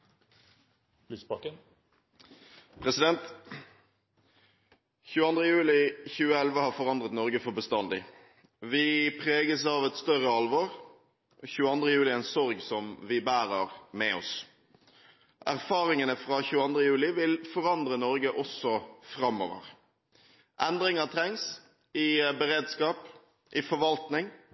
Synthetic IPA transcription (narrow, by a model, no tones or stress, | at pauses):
lispɑkən | pʰʁɛsɪd̪ɛnt̪ | çʉːəɑnd̪ʁəjʉːlɪçʉːəɛlʋəhɑːʁfɔʁɑnd̪ʁət̪nɔʁɡəfɔbəst̪ɑnd̪ɪ | ʋɪpʰʁeːɡəsɑːʋɛt̪st̪œʁəɑlʋɔʁ | çʉːəɑnd̪ʁəjʉːlɪɛnsɔʁɡsɔmʋɪbæːɾəʁmɛɔ̰s | ʔæʁfɑːɾɪŋənəfʁɑçʉːəɑnd̪ʁəjʉːlɪʋɪlfɔɾɑnd̪ʁənɔɾɡəʔɔsɔfɾɑmːo̰ːʋə̰ʁ | ʔɛnd̪ɾɪŋɑt̪ʰɾɛŋs | ɪbəʁeːd̪skɑːp | ʔɪfɔɾʋɑlt̪nɪŋ